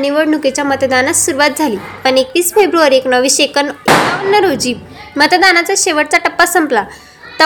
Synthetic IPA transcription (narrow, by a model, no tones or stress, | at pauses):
niʋəɽɳuket͡ɕjamət̪d̪anasuɾuʋat̪̚d͡zʱaliːpəɳekʋiːsfebɾuaɾeknəʋiɕekəneaənːəɾod͡ʑiː | mət̪d̪anat͡saɕeʋəɽt͡saʈəpːasəmpla | t̪ə